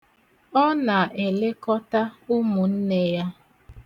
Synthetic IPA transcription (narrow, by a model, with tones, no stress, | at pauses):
ɔ˦na˨e˨le˦kɔ˦ta˦ʊ˦mu˨n̩˦ne˦ja˦